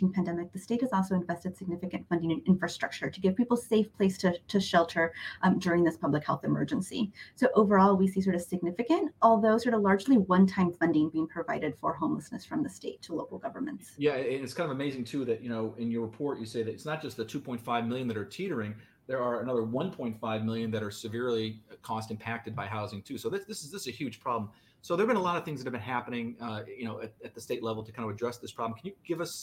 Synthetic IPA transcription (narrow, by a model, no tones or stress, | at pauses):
ɪ̃ŋpʰæ̃ndɛmɨk̚ðɨsteɪt̚hɨzɔlˠsoʊɨ̃ɱvɛstɨd̥sɨɡ̚nɪfɨkɨ̃ntfʌ̃ndɪ̃ŋɨ̃nɪ̃ɱfɹɨstɹ̥ʌ̰k̚t͡ʃə˞ɾɨɡɛv̥pipl̩̥ˠseɪfpʰl̥eɪstʰɨɾʰɨʃɛlˠtʰə˞dʊɹɪ̃ŋðɪspʰʌblɨkhɛlˠθɨmɜ̰˞d͡ʒɨ̃nsḭsoʊʔoʊvə˞ɔlˠwisis̬ɔɹɾʌv̥sɨɡ̚nɪfɨkɨ̃ntɔlˠðoʊsɔɹɾəlɑɹd͡ʒliwʌ̃ntʰãɪ̃ɱfʌ̃ndɪ̃ŋbiɪ̃ŋpʰɹ̥ɨvaɪɾɨd̥fə˞ɦõʊ̃mləsnɨsfɹʌ̃mðɨsteɪtʰəloʊkl̩ˠɡʌvə˞mɨ̃ntsjæɨ̃nɨtskʰãɪ̃ndʌvəmeɪzɪ̃ŋtʰʉðɨʔjɨñoʊɪ̃njə˞ɹɨpʰɔɹʔɨseɪðɨɾɨtsnət̚d̥ʒ̥ʌst̪̚ðɨtʰʉpʰɔ̃ɪ̃ntfaɪvmɪlˠjɨ̃nðɨɾə˞tʰiɾə˞ɪ̃ŋ | ðə˞ːənʌðə˞wʌ̃npʰɔ̃ɪ̃ntfaɪvmɪlˠjɨ̃nðɨɾə˞sɨvɪɹlˠikʰɔstɨ̃m̩pʰæk̚tɨd̚baɪɦaʊzɪ̃ŋtʰʉsoʊðæsðɪsɨzðɪsɨzɨhjʉd̥ʒ̥pʰɹ̥ɑblm̩ | soʊðə˞bɨ̃ñəlɑɾʌv̥θɪ̃ŋzðɨɾɨvbɨ̃nɦæpənɪ̃ŋjɨñoʊɨtɨt̪̚ðɨsteɪtˡlɛvl̩ˠtʰɨkʰãɪndɨvɨdɹɛsðɪspʰɹ̥ɑblm̩kʰn̩jɨɡ̥ɪvʌs